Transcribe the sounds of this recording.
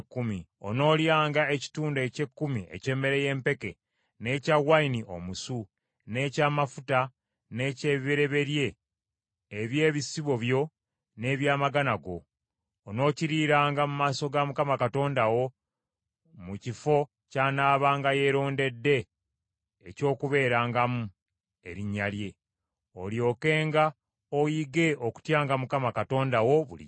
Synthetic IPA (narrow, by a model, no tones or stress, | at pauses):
kːumio̰no̞ːljaːŋɡae̞ci̥tuːnde̞ce̞kːumie̞̰ce̞ːme̞ɾe̞je̞ːmpe̞ke̞ | ne̞ːcaɣwainiʔo̞̰musu | ne̞ːcaːmafuta | ne̞ceːβiβeɾe̞βe̞ɾje̞ː | βje̞ːβisiβo̞βjo̞ | ne̞ːβjaːmaɡanaɡo̞̰ː | no̞ːciɾiːɾaːŋɡamumaːso̞ɡamukamakato̞ːndawo̞ | mucifo̞ | caːnaːβaːŋɡaje̞ɾo̞ːnde̞dːe̞ː | co̞ːkuβe̞ːɾaːŋɡamu | e̞ɾiɲːalje̞ | oljo̞ːke̞ːŋɡa | ojiɡe̞oku̥tjaːŋɡamukamakato̞ːndawo̞βṵlḭ